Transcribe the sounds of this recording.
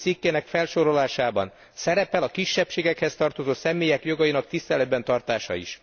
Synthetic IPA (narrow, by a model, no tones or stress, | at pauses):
sikːeːnɛkfɛlʃo̞ɾo̞laːʃaːbɒ̰n | sɛɾɛpɛlɒkiʃːɛpʃeːɡɛkhɛst̪ɒrt̪o̞zoːsɛmːeːjɛkjo̞ɡɒjinɒkt̪ist̪ɛlɛd̪̚bɛnt̪ɒrt̪aːʃɒ̰ḭʃ